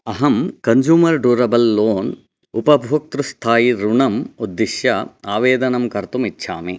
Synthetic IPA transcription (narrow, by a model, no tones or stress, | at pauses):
ɐɦɐmkɐɲd͡ʒuːmɐɾɖuːɾɐbɐlːoːn | upɐbʱoːk̚t̪ɾust̪ʰaːjiɾuɳɐmud̪ːiʃjɐaːʋeːd̪ɐnɐmkɐɾt̪umitːʃʰa̰ːmi